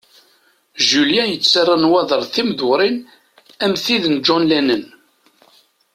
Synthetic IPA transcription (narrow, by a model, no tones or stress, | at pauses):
ʒuljæjət͡sːarˤːənwɑðˤəɾˤθimðʊɾˤin | æmθiðənd͡ʒɔnlænən